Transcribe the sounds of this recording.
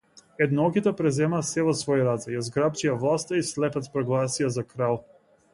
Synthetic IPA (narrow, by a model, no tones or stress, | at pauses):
ɛd̪naɔkit̪ɛpɾɛzɛmaːsɛvɔsvɔjiɾad̪zɛjazɡɾap̚t͡ʃijavlˠast̪aislɛpɛt̪pɾɔɡlˠasijazakɾalˠ